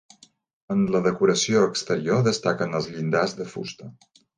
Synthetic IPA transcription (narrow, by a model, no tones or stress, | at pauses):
ənləðəkuɾəsioəkst̪əɾioðəst̪akənəlˠzʎind̪azðəfṵst̪ə